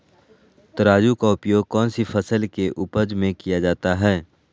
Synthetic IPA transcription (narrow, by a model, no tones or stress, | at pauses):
t̪əɾaːd͡ʒukaʊpjoːɡ̚kɔːnsifʰəsəlkeʔuːpəd͡ʒmẽkijad͡ʒaːt̪aɦɛː